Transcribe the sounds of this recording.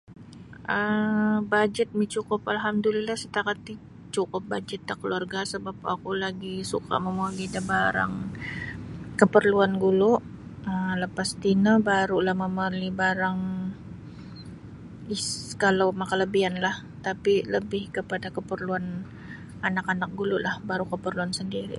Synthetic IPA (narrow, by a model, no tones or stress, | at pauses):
ʔəbad͡ʒət̪̚mit͡ʃukʊpalɦamd̪ulilahsət̪akat̪i | t͡ʃukʊp̚bad͡ʒət̪̚dakəluarɡasəbap̚a̰kulaɡisṵka̰məmuaɡidabaɾa̰ŋ | kəpərluanɡulʊʔ | ələpast̪inəbaɾulahməməlibaɾaŋ | iskalawmakaləbianlah | t̪apiləbɪhkəpadakəpərluan | anakanak̚ɡulʊʔlahbaɾukəpərluansəndiɾḭ